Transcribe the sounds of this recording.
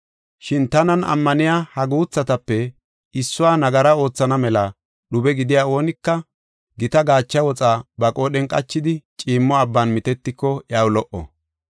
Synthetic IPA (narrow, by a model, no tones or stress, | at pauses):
ʃɪnt̪ɐnɐnɐ̰mːɐnɪjaːhɐɡuːt͡sːɐt̪ɐpːɛ | ɪsːʊwaːnɐɡɐɾɐo̞ːt͡sːɐnɐmɛlɐ | ɗʊbɛɡɪd̪ɪjaːo̞ːnɪkːɐ | ɡɪt̪ɐɡaːt͡ʃːɐwɔt͡sʼaːbɐkʼoːɗɛnkʼɐt͡ʃːɪd̪ɪt͡ʃʼiːmːɔɐbːɐnmɪt̪ɛt̪ːɪkːɔjawlɔʔɔ̰